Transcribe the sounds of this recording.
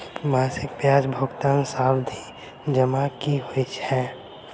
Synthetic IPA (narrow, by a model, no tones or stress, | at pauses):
maːsɪkbjaːd͡ʒbʱʊɡt̪aːnsaːwd̪ʱi | d͡ʒəmakiɦoit͡ʃɛː